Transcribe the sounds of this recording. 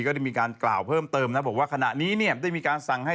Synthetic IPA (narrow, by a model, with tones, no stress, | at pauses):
kɔː˥˩ɾa˥˩jmiː˧kaː˧nkla̰ː˨˩wpʰɤː˥˩mt̪ɤː˧mna˦˥bɔː˨˩˦waː˥˩kʰa˧na̰˨˩ʔniː˦˥ni˥˩ədaː˥˩jmiː˧kaː˧nsa˨˩ŋha˥˩